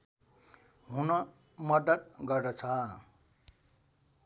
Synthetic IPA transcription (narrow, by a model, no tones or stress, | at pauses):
ɦunʌ | mʌd̪ʌt̪̚ɡʌrd̪ʌt͡sʰʌ